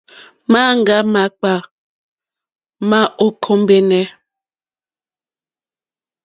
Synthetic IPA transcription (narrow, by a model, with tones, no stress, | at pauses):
ma˦ŋ̩˨ɡa˦ma˨˦k͡pa˨ | ma˦ʔo˦kʰɔ˦m˦bɛ˦nɛ˦